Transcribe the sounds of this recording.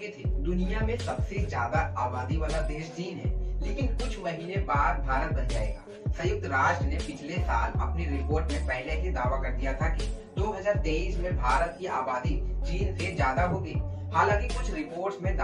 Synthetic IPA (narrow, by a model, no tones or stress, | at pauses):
et̪ʰeːd̪ʊnijamẽsɐbsezjaːd̪aaːbaːd̪ibɐlad̪eːʃd͡ʒiːnɦɛ̰ːleːkɪnkʊt͡ʃʰmɐɦiːnebaːɾbʱaːɾət̪̚bɐnd͡ʒa̰ːḛːɡa̰ː | sɐjʊk̚t̪ɾaːʃʈɾənepɪt͡ʃʰlesaːlɐ̰pniɾɪpoːɾʈmẽpɛɦlesed̪aːʋakɐɾd̪ijat̪ʰakid̪oːɦɐzaːɾt̪eːiːsmẽbʱaːɾət̪̚kiʔaːbaːd̪id͡ʒiːnsezjaːd̪aɦoːɡiːhaːlãːŋkikʊt͡ʃʰɾɪpoːɾʈsmẽd̪a